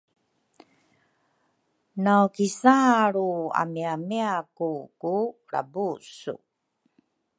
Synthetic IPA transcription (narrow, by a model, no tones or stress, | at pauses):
nawkisaɾua̰miamiakuku | ɾa̰busṵ